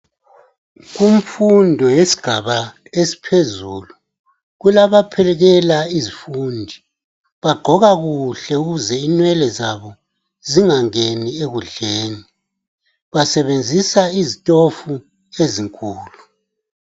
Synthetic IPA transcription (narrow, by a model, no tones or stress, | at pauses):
ɣuɱfundʱɔjesi̥ɡ̥ʱaβa | esi̥pʰezulu | ɣulaβapʰɛlɛɣɛlaizifundʱi | βaɡ͡ǃʱɔɣaɣuɬɛuɣuzɛinwɛlɛzaβɔ | ziŋaŋenieɣuɮeːni | βasɛβend͡zʱisaizitʼofu | eziŋkʼuːlu